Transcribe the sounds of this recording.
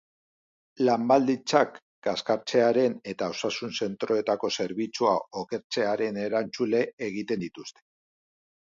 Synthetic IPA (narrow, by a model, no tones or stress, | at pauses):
lambald̪it͡sak | ɡ̥askaɾt͡se̞aɾe̞ne̞t̪ao̞sasunse̞nt̪ɾo̞e̞t̪ako̞se̞ɾβit͡suao̞ke̞ɾt͡se̞aɾe̞ne̞ɾant͡sule̞ːɣ̞it̪e̞nd̪it̪ust̪e̥